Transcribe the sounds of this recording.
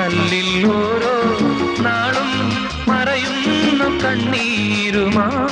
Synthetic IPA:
ɐɭːilːoːɾo | naːɭum | mɐɾɐjumnːɐkɐɳːiː | ɾuma

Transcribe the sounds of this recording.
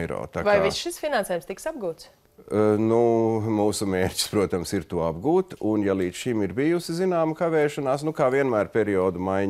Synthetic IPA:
ɾɔ̰ːt̪aːvajvisʃisfinanseɛːjumst̪iksab̚ɡuːt̪s | numuːsumʲeːɾʲcʲi̥spɾuɔt̪amsiɾt̪uɔabɡuːt̪unjalˠiːd̪sʃimiɾbijusizinaːmkaʋɛːʃɐnaːsnukaːʋiɛnmæːɾpʲɛɾiɔːd̪umajɲ

